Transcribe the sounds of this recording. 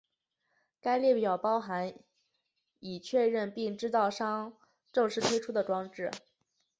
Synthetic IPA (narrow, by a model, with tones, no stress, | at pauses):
ka˥ɪljɛ˥˩pjɑ˨˩ʊpɑ˥ʊxa˧˥n | i˨˩t͡ɕʰɥɛ˥˧ɻə˥˧npi˥˧ŋʈ͡ʂɻ̩˥t͡sɑ˥˩ʊʂɑ˥ŋ | ʈ͡ʂɤ˥˧ŋʂɻ̩˥˩t̪ʰwe˥ɪʈ͡ʂʰu˥d̪ə˨ʈ͡ʂwɑ˥ŋʈ͡ʂɻ̩˥˩